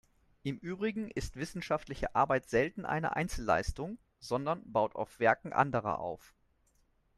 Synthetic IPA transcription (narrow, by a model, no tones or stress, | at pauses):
ʔɪmʔyːbʁɪɡŋ̩ɪstv̥ɪsn̩ʃaftlɪçəʔaɐbaɪtz̥ɛltn̩ʔa̰ɪnə̰ʔa̰ɪnt͡sl̩ːa̰ɪstʊŋ | z̥ɔndɐnbaʊtʰa̰ʊfv̥ɛɐkŋ̩ʔa̰ndəʁɐ̰ʔa̰ʊf